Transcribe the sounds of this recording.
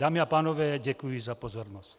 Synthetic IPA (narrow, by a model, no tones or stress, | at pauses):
aːmiapaːnɔʋɛːɟɛkujizapɔzɔɾnɔsc